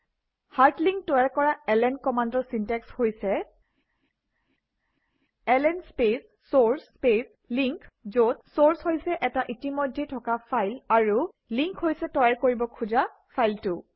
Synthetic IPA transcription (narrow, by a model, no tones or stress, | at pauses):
haɹtliŋk̚tɔjaɹkɔɹaɛlɛnkɔmandɔɹsintɛkshojsɛ | ɛlɛnspesːoɹspes | liŋkzotsoɹshojsɛʔɛtaʔitimojdʱːetʰɔkapʰajlaɹu | liŋkhojsɛtɔjaɹkoɹibɔkʰuza | pʰajltʊ